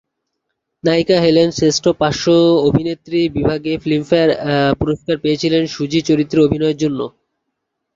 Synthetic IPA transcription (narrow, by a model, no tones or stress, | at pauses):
najkaɦelenseʃʈʰopaʃːoobʱinet̪ːɾibibʱaɡeflimfeɾpuɾoʃkaɾpeet͡ɕʰilenʃud͡ʑit͡ɕoɾit̪ːɾeobʱinɔeɾd͡ʑonːo